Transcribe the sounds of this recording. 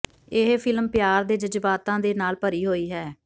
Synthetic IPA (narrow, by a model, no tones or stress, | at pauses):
ɪɦpʰɪlmpjaːɾd̪eːd͡ʒəd͡ʒbaːt̪ãːd̪eːnaːlpəɾiːɦoːiːɦɛː